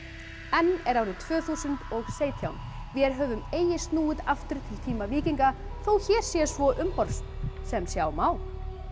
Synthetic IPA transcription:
ɛnːɛɾaːwɾɪðt̪ʰv̥œːθusʏnt̪ɔɣseːjt̪ʰjawn | vjɛɾɦœːvʏmeːjɪst̪nuːʏðaft̪ʏɾ̥t̪ʰɪlt̪ʰiːmaviːciŋkaθowçɛːɾ̥sjɛsvɔʔʏmpɔɾ̥st̪sɛmsjawmaːwl

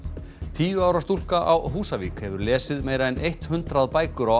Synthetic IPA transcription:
t̪ʰiːjʏawɾast̪ul̥kaʔawɦuːsaviːkhɛvʏɾlɛːsɪðmeːjɾaðɛnejht̪hʏnt̪ɾaðpaːjkʏɾaw

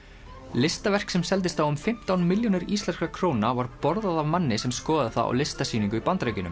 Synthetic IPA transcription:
lɪst̪avɛr̥ksɛmsɛlt̪̬ɪst̪θawʏmfɪm̥t̪awnmɪljonɪɾiːst̪lɛnskakʰɾownavaɾpɔɾðaðavmanːɪsɛmskɔːðaðɪθa̰ða̰wlɪst̪asiːniŋkʏipant̪ɾejcʏnʏ̰m

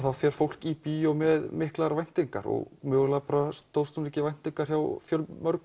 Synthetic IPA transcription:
θawfjɛɾ̥fowl̥cipiːjɔmɛðmɪhklaɾvajn̥t̪iŋka̰ɾɔ̰ɣmœːɣlapɾast̪owðst̪ɔnicɪvajn̥t̪iŋkaɾ̥çjawfjœlmœɾk

